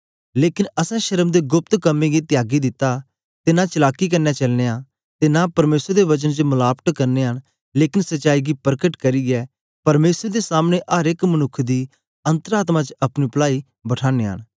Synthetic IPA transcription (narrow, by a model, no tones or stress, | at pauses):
leːkɪnɐsɛ̃ʃəɾəmd̪eɡʊp̚t̪kɐmːẽɡit̪ɪjaːɡid̪ɪt̪ːa | t̪enãt͡ʃɪlaːkːikɐɾnɛt͡ʃɐlneːãː | t̪enãpɐɾmeːsɾd̪eʋɐt͡ʃənt͡ʃəmʊlaːpt̪kɐɾneːɦən | leːkɪnsɐtːt͡ʃaːiɡipəɾkəʈkɐɾiːɡɛː | pɐɾmeːsəɾd̪esaːmñeʔaːɾɪkmənʊkʰːd̪iː | ɐ̃nt̪əɾaːt̪mãt͡ʃɐpnipəlaːi | bɐʈʰaːneːɦə̰n